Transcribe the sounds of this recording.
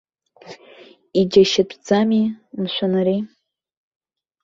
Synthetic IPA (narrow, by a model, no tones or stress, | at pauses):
id͡ʒaʃɪt͡pʷʰʼd͡zamimʃʷanaɾi